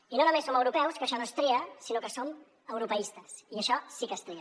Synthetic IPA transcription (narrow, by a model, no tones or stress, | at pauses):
inonumesːoməwɾupɛwskəʃɔnost̪ɾiəsinokəsom | əwɾupəist̪əsiəʃɔsikəst̪ɾi